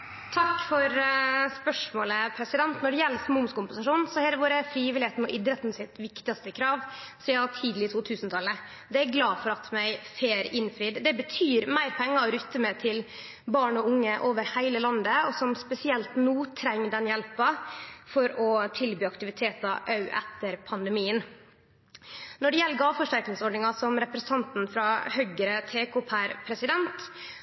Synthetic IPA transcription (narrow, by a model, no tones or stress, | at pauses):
t̪ʰɑkːfɔɾspœʂmoːləpʰɾɛsɪd̪ɛnt̪nɔɖɛjɛlːsmʊmskʊmpənsɑʂuːn̩sɔhɛːɾʋoːɾəfɾiːʋɪlɪeːt̪n̩ɔʔɪd̪ɾət̪nsɪt̪ʋɪkt̪ɪɑst̪əkʰɾɑːʋsɔjæhɑʈʰiːd̪lɪt̪ʰuːt̪ʰʉːsnt̪ʰɑlə | d̪ɛæɾɡlɑːfɔɾɑt̪mæɪfeːɾɪnfɾiːd̪d̪ɛbət̪ʰyːɾmæɪɾpʰɛŋːɑɔɾʉt̪ːəmɛt̪ʰɪl | bɑːɳɔʊŋːəʔoːʋəɾhæɪləlɑnd̪əɔsɔmspɛsɪɛlt̪nuːt̪ʰɾɛŋːd̪ɛnjɛlpɑfɔɾɔt̪ʰɪlbyːɑkt̪ɪʋɪt̪ʰeːt̪ɑʔɑʉʔɛ̰t̪ːəɾpʰɑnd̪ɛmiːən | nɔɖɛjɛlːəɡɑːfɔʂʈæɾknɪŋsɔɖɳɪŋɑsɔmɾɛpɾəsəɑnt̪n̩fɾɑhœɡɾət̪ʰeːkʰopʰæɾpʰɾɛsɪd̪ɛnt̪